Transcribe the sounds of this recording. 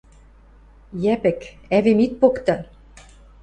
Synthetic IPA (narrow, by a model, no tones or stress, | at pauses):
jæpɘ̆k | æβemit̪̚pokt̪ɤ̆